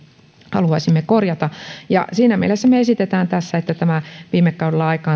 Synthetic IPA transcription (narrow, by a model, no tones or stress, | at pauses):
hɑ̰luɑisimːekorjɑt̪ɑjɑ̰siːnæmiḛlesːæmeesit̪et̪æːnt̪æsːæet̪ːæt̪æmæʋiːmekːɑudelːɑɑikɑː